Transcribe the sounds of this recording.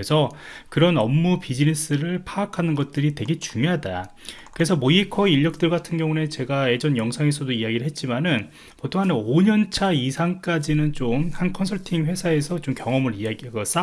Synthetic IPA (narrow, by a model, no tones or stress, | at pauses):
esʰʌkɯɾʌnʌmːupid͡ʑines͈ɯɾɯɭpʰaːkʰanɯnɡʌt̚t͈ɯɾitwe̞ɡe̞t͡ɕuŋjoɦada | kɯɾe̞sʰʌmoikʰʌiʎːʌk̚t͈ɯɭɡatʰɯnɡjʌŋune̞t͡ɕe̞ɡae̞d͡ʑʌnjʌŋsʰaŋe̞s̬ʰʌdoiaɡiɾɯɭɦe̞t̚t͡ɕ͈imanɯn | potʰoŋɦanoɲʌnt͡ɕʰaisʰaŋk͈ad͡ʑinɯnt͡ɕomhankʰʌnsʰʌɭtʰiŋɸwe̞sʰae̞sʰʌt͡ɕomkjʌŋʌmɯɾiaɡiɡɯs͈a